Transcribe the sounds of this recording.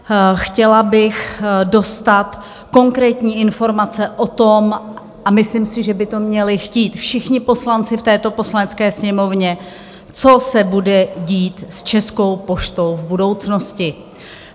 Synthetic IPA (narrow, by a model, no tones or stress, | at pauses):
xcɛlabɪxdo̞st̪at̪ | ko̞ŋkɾɛːt̪ɲiːʔɪnfo̞ɾmat͡sɛʔo̞t̪o̞m | ʔamɪslɪmsɪʒɛbɪt̪o̞mɲɛlɪxciːt̪fʃɪxɲɪpo̞slant͡sɪft̪ɛːt̪o̞po̞slanɛt͡skɛːsɲɛmo̞vɲɛ | t͡so̞sɛbudɛɟiːt̪st͡ʃɛsko̞wpo̞ʃt̪o̞wvbudo̞wt͡sno̞scɪ